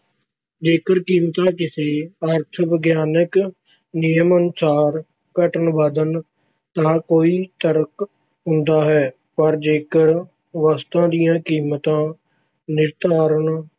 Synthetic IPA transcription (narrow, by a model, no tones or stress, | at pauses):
d͡ʒeːkəɾkiːmt̪ãːkɪseːəɾt̪ʰʋəɡjaːnək | nɪjəmənʊsaːɾ | kəʈənʋəd̪ən | t̪ãːkoːiːt̪əɾək | ɦʊ̃nd̪aːɦɛː | pəɾd͡ʒeːkəɾ | ʋaːst̪ãːd̪ijãːkiːmt̪ãː | nɪɾt̪aːɾən